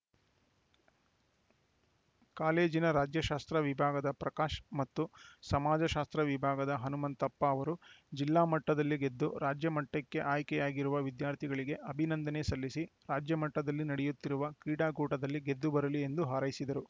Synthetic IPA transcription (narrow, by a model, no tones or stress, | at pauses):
kaːle̞ːd͡ʒinɐɾaːd͡ʒjɐʃaːst̪ɾɐʋibʱaːɡɐd̪ɐpɾɐkaːʃɐmɐt̪ːusɐmaːd͡ʒɐʃaːst̪ɾɐʋibʱaːɡɐd̪ɐɦɐnumɐnt̪ɐpːɐːʋɐɾud͡ʒilːaːmɐʈːɐd̪ɐlːiɡe̞d̪ːuɾaːd͡ʒjɐmɐʈːɐkːe̞ʔaːjkɛjaːɡiɾuʋɐʋid̪jaːɾt̪ʰiɡɐɭiɡe̞ʔɐbʱinɐnd̪ɐnesɐlːisiɾaːd͡ʒjɐmɐʈːɐd̪ɐlːinɐɽɛjut̪ːiɾuʋɐkiːɽaːɡuːʈɐd̪ɐlːiɡe̞d̪ːubɐɾɐlie̞nd̪uɦaːɾɐjisid̪ɐɾu